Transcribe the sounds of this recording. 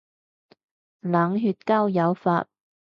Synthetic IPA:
laː˨˥ŋɦyː˧t̚kaː˥wjɐ˨˧wfa̰ː˧t̚

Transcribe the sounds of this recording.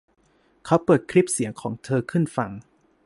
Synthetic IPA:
kʰa˦˥wpɤː˨˩t̪̚kʰɾi˦˥p̚si˨˩˦əŋkʰɔː˩˦ŋt̪ʰɤː˧kʰɯ˥˩nfa˧ŋ

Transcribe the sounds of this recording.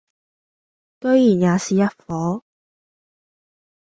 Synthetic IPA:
kɵ˧ɥjiː˨˩njaː˨˧siː˨jɐ˥t̚fɔː˨˥

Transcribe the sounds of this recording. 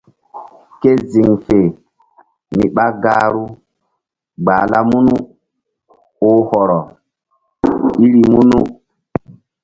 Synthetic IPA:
ke˦zi˨ŋfe˨ | ni˨ɓa˦ɡaː˦ɾu˦ | ɡ͡ba˨la˦mu˦nu˦ | o˦hɔ˨ɾɔ˨ | i˦ɾi˦mu˦nu˦

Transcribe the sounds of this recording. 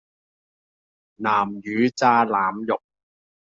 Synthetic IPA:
naː˨˩mjyː˨˧˥t͡saː˧˥laː˨˥mjʊ˨k̚

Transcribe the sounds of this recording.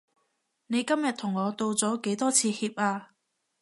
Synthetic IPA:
ne˨˧jkɐ˥mjɐ˨t̚t̪ʰʊ˨˩ŋːɔː˨˧t̪o˧wt͡sɔː˨˥ke˨˥jt̪ɔː˥t͡sʰiː˨˧hiː˧p̚aː˧

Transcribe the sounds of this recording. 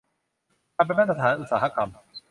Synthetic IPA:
a˧pe˧˨mɛ˥t̪ʰa˧t̪ʰaː˨˦nʔu˨t̪sa̰ː˨˩a˦ka˧m

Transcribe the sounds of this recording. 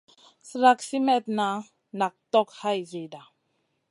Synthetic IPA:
sɾa˦ksi˦mɛ˦˨t̪̚na˨˦ | na˨k̚tɔ˦kha˦jze˨da˨

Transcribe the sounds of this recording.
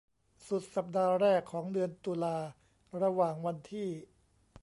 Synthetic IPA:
su˨˩t̪̚sa˨˩p̚daː˧ɾɛː˥˩kʰːɔː˩˦ŋdɯ˧ənt̪uː˧laː˧ | ɾa˧waː˨˩ŋwa˧nt̪ʰiː˥˩

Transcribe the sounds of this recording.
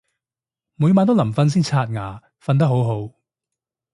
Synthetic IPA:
mu˨˧jmaː˨˧nt̪o˥lɐ˨˩mfɐ˧ns̬iː˥nt͡sʰaː˧t̚ŋaː˨˩ | fɐ˧nt̪ɐ˥k̚ɦo˨˥wɦo˨˥w

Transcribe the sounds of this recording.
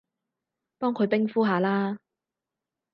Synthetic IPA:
pɔː˥ŋkʰɵ˨˧ɥpɪ˥ŋfuː˥ɦaː˨˧laː˥

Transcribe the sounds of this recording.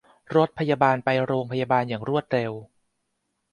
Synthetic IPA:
ɾo˦˥t̪̚pʰa˧jaː˧baː˧npa˧jɾoː˧ŋpʰa˧jaː˧baː˧njaː˨˩ŋɾu˥˩ət̪̚ɾe˧w

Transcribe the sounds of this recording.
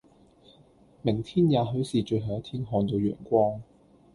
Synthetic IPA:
mɪ˨˩ŋt̪ʰiː˥njaː˨˩ɦɵ˨˥ɥsiː˨t͡ʃɵ˧ɦaː˨˩jt̪ʰiː˥nɦɔː˧nt̪o˨˧wjœ̰ː˨˩nkʷɔː˥ŋ

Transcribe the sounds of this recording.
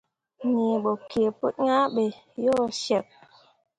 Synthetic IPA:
ni˨ɓo˨kʰe˨po˦t̚ɲa˦ɓe˨ | jɔ˦˨ʃɛ˨p̚

